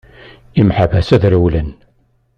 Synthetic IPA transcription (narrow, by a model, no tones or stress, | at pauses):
imħavæsæðɾəwlən